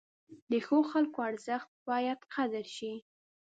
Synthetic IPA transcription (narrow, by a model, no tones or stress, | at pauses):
d̪əxoxalkoaɾzəxt̪̚bɑjad̪qad̪əɾʃi